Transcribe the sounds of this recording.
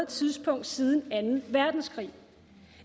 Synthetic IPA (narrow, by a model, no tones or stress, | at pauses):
t͡sʰiðˠsb̥ʰɔ̽ŋ̰d̥siðˠn̩ænn̩ʋæɐd̥n̩skʰʁḭː